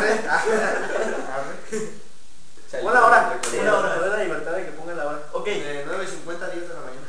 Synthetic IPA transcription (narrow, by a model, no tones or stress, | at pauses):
e | e | onaoɾa | onaoɾapeɾeɾlaliβe̞ɾt̪aððekepoŋɡanlaβanaokejenweβesiŋkwe̞nt̪aðjazðelamãɲana